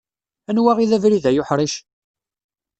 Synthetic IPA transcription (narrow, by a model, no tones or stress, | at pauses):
ænwæʁiðævɾiðæjʊħɾˤiʃ